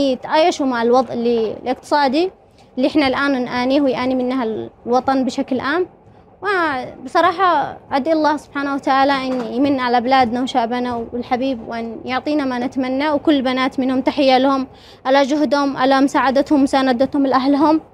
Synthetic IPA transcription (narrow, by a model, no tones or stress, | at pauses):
t̪ʔajːaʃumaʕɪlwɑðˤʔɪlːḭlʔɪqt̪ɨ̥sˤɑːd̪i | lːiʔɪħnalʔaːnnʔaːniːhwɪjʔaːnimɪnːahalwɑt̪ˤɑnbɪʃaklʔaːm | wabɨsˤɑɾˤɑːħɑʕad̪ʔlːaːhsʊb̥ħaːnawat̪aʕaːlaʔɪnːjmɪnːaʕalabɪlaːd̪nawʃaːʔbanawɪlħabiːbwʔɪnjʊʕt̪ˤiːnamanɪt̪manːawkʊlːbanaːt̪mɪnhʊmt̪aħɪjːalahʊm | ʔalad͡ʒʊhd̪hʊmʔa̰lamʊsaːʕad̪at̪hʊmːʊsaːnad̪at̪hʊmlʔaɦlɦʊm